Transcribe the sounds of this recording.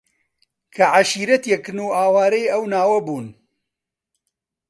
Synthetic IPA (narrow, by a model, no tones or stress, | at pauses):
kʰɐʕaʃiːɾɐt̪jɛkɨnuːaːwaːɾɐjɐwnaːwɐbuːn